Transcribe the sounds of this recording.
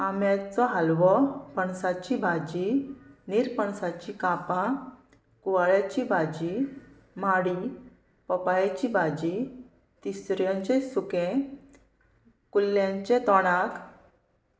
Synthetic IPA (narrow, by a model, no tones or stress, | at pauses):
amjat͡sɔɦalʋɔpəɳsat͡ɕibʱad͡ʑiniɾpəɳsat͡ɕikapã | kuʋaɭjat͡ɕibʱad͡ʑi | maɽi | pɔpajat͡ɕibʱad͡ʑi | t̪isɾjɔ̃ɲt͡ɕẽsukẽ | kulːjãɲt͡ɕẽt̪ɔɽ̃ak